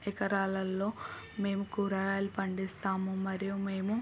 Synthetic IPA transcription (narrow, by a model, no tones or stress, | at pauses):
ɛkɐɾaːlɐlːo̞ː | me̞ːmukuːɾaːjaːlipɐɳɖist̪aːmumɐɾijume̞ːmu